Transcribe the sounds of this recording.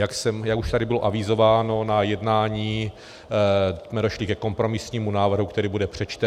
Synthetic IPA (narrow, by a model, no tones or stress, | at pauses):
jaksɛmjakuʃt̪adɪbɪloʔavɪzo̞vaːno̞najɛdnaːɲiː | mɛdo̞ʃlɪkɛko̞mpɾo̞mɪsɲiːmunaːvr̩ɦukt̪ɛɾiːbudɛpr̝̥ɛt͡ʃt̪ɛ